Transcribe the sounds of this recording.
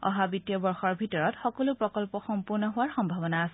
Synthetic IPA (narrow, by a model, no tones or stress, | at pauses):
ɔ̰ɦabitijɔbɔɹxɔɹbʱitɔɹɔtxɔkɔlʊpɹɔkɔlpɔxɔmpuɹnɔɦʊaɹxɔmbʱabɔnaːsɛ